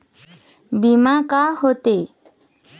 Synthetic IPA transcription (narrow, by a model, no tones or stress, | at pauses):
bimakahot̪e